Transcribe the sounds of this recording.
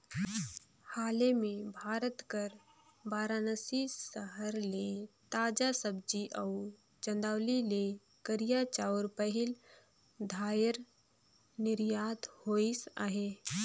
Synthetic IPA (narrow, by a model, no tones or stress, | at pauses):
haːlemẽbʱaːɾət̪kəɾ | baːɾaːnəsisəɦəɾlet̪aːd͡ʒasəbd͡ʒiʔəʊ | d͡ʒə̃nd̪aːwlile | kəɾijat͡ʃaːwɾpəɦɪl | d̪ʱaːjəɾ | nɪɾjaːd̪hoːisa̰ɦeː